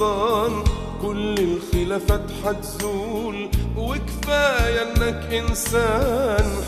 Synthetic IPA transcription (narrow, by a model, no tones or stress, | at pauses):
ɑːn | kʊlːɪlxɪlafat̪ħat̪zuːlwɪkfaːjaʔnːakʔɪnsaːn